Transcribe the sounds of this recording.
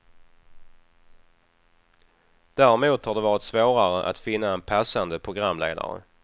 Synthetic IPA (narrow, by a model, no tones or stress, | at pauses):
d̪̥æːɾɪmuːt̪haɖɛvɑːɾɪt̪svoːɾaɾəʔa̰t̪fɪnːaɛnpʰasand̪əpʰɾʊɡɾamːlḛːd̪a̰ɾə̰